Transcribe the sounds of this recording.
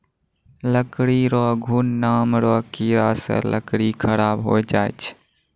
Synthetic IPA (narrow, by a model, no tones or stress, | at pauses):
ləkɽiɾɔɡʱuːnːaːmɾɔkiɾasə̰lə̰kɽikʰəɾabɦo̰jd͡ʒaet͡ʃʰ